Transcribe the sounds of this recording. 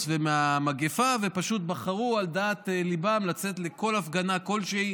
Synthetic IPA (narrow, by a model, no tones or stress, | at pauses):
vemeamaɡefavepaʃut̪̚baχaʁuald̪at̪elibamlat͡set̪le̞ko̞lafɡanako̞lʃei